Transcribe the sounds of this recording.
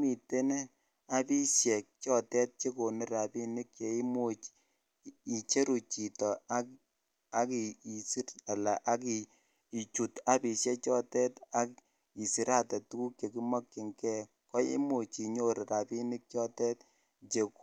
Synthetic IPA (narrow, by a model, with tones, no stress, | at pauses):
mi˨te˦ne˦ | a˦pi˦ʃjɛ˨k̚t͡ʃɔ˦tɛ˦t̚t͡ʃe˦ko˨ni˦ɾa˨pi˦ni˦kje˨i˦mo˦t͡ʃ | i˨t͡ʃe˦ɾu˨t͡ʃi˨tɔ˨a˦ | a˦ki˨i˨si˦ɾa˨la˨ʔa˦ki˨ | i˨t͡ʃu˨ta˦pi˨ʃjɛ˦t͡ʃɔ˦tɛ˦ta˦k | i˨si˨ɾa˦˨tɛ˨tu˦ku˦kje˨ki˦mɔ˦kːɪ˨ŋkɛ˦ | kɔ˦ḭ˦mo˨t͡ʃi˨ɲo˦ɾi˨ɾa˨pi˦ni˦k̚t͡ʃɔ˦tɛ˦t̚ | t͡ʃe˨k